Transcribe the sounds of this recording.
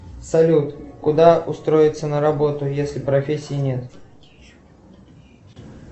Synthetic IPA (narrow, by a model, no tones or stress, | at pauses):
sɐlʲut̪kʊd̪aʊst̪ɾo̞jɪt̪sənəɾɐbo̞t̪ʊjesʲlʲɪpɾɐfʲesʲːɪjɪnʲet̪